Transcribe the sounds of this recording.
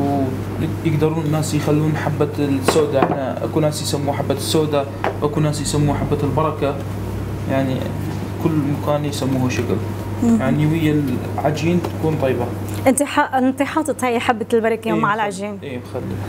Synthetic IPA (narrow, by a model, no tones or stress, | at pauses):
w | jɪɡd̪ɑɾˤuːnɪnːaːsjxalːuːnħabːasːoːd̪aʔɪnaʔa̰kunaːsjsamːuːħabːasːoːd̪a | wʔakunaːsjsamːuːħabːaɪlbɑɾˤɑka | jaʕnḭ | kʊlːmakaːnjsamːuːhaʃakl | jaʕniwɪjːalʕad͡ʒiːnt̪ḁkuːnt̪ˤɑjːbaʔɪnt̪iħɑʔɪnt̪iħɑːt̪ˤɨt̪ˤhajːaħabːalbɑɾˤɑkːwmaʕalʕad͡ʒiːnʔeːmxalːi